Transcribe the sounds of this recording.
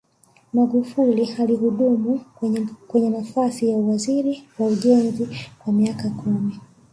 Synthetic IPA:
maɡufulialihuɗumu | kwɛɲɛnafasijauwaziɾiwauʄɛnzikwamiakakʰumi

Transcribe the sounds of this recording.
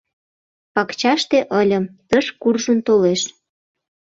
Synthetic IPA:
pɑkt͡ɕɑʃt̪eʔəlʲəmt̪əʃkurʒənt̪oleʃ

